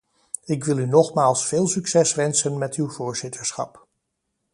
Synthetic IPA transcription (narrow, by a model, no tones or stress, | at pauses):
ɪkʋɪlˠynɔχmaːlˠsfeːlˠsyksɛsʋɛnsənmɛtywvoːɹz̥ɪtʰəɹsχɑ̰p